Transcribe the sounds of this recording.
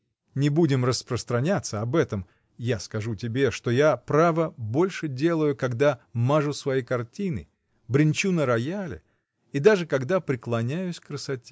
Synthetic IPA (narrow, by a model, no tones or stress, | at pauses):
nʲɪbudʲɪmrəspɾəst̪ɾɐnʲat̪sːəɐbɛt̪əm | jaskɐʐutʲɪbʲe̞ʂt̪o̞japɾavəbo̞lʲʂɨdʲe̞lˠəjʊkɐɡd̪amaʐʊsvɐjikɐrtʲinɨ̰ | bɾʲɪnʲt͡ɕunəɾɐjalʲɪ̰ | id̪aʐɨkɐɡd̪apɾʲɪklˠɐnʲæjʊsʲkrəsɐtʲe